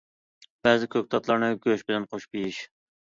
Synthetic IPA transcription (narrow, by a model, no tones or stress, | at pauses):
b̥ɛzɪkʲʰøk̚ʲt̪ʰɑt̪lˠɑɾnɨɡʲøʃbɪlɛnqʰoʃbijiʃ